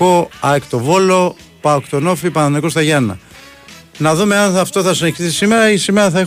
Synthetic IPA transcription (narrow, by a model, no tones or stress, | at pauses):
oɐekt̪o̞vo̞lo̞ | pɐokt̪o̞no̞fipɐnniko̞st̪ɐʝɐnːɐ̰ | nɐðume̞ɐnɐft̪o̞θɐsineçiθisime̞ɾɐisime̞ɾɐθɐe